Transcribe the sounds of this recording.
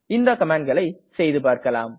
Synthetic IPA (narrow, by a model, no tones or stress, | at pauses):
ɪnd̪ɐkɐmaːɳ̚ɡɐɭɐɪsɛjðɯpaːɾkɐlaːm